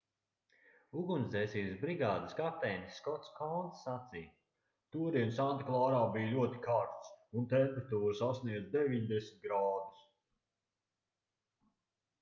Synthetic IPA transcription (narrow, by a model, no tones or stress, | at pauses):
uɡunzɛːsiːsbɾiɡaːd̪əskat̪ɛjnisːkɔt̪skɔnt̪sːat̪sij | t̪uɔɾinsant̪aklˠaːɾaːbijlʲuɔt̪i̥kaːɾt̪sunt̪ɛmpeɾat̪uːɾsasniɛd̪zd̪eviɲd̪esmʲt̪̚ɡɾaːd̪us